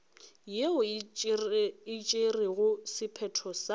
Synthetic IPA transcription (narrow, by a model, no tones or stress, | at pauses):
jeʊ | ɪt͡ʃʼeriɣʊsɪpʰɛtʰɔsa